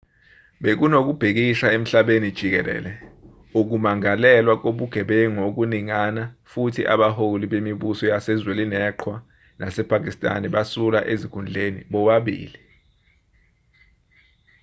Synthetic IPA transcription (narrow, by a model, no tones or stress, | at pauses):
ɓek̬unok̬ub̥ʱik̬iʃaem̩ɬaɓenid̥ʒ̥ʱik̬ɛlɛ̰ːlɛ | uk̬umaŋalɛlwak̬oɓuɡ̥ʱɛɓɛŋok̬uniŋanafutʰiʔa̰ɓaholiɓemiɓusɔjasɛzwelinɛːǃʰwa | nasɛpʰak̬istʼa̰nɛɓasula̰ʔezikʰund͡ɮʱenḭɓɔɓaɓḭːli